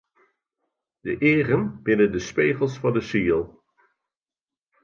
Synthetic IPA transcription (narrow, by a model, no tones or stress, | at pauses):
d̥əʔɪːrənb̥ɪnəndəspeːχəlˠsfɑndəsilˠ